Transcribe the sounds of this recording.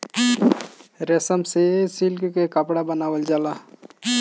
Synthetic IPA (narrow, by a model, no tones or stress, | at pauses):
ɾesəmsesilkkekəpɽabənaːwəld͡ʒaːla